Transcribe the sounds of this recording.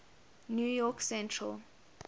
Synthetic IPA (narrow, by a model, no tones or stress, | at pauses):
njujɔksɛ̃ntʰra̰l